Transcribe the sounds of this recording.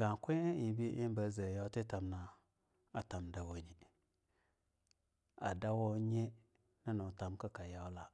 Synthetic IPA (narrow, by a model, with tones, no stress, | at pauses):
ɡa˨kʷu˦i˨˦bi˦ʔi˦n˦bə˨˦zə˨ja˦ti˦ta˨mna˨ | a˨ta˨mda˨wo˨ni˨ | a̰˨da˦wo˦ɲe˦ | na˦nu˨ta˨mka˦ka˨ja˦wla˦